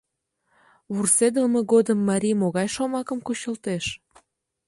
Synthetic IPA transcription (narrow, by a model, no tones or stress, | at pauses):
βursed̪əlmeɣod̪əmːɑɾʲijmoɣɑjʃomɑkəmkut͡ɕəlt̪eʃ